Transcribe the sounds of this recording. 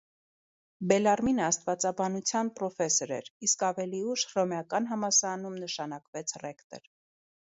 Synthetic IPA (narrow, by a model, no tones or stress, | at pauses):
bɛlɑrminəɑst̪vɑt͡sɑbɑnut͡sʰjɑnpɾɔfɛsɔɾɛ̰ɾiskɑvɛliuʃrɔmjɑkɑnɦɑmɑsɑɾɑnumnəʃɑnɑkvɛt͡sʰrɛkt̪ɛ̰ɾ